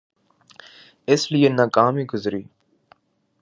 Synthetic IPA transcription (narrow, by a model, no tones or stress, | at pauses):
ɪslijeːnaːkaːmiːɡʊzɾiː